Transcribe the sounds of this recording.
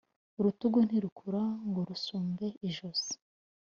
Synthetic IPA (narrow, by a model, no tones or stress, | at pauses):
uɾutuɡun̥iɾukʰuɾaŋɡoɾusuːmbe̞iʒoz̥i̥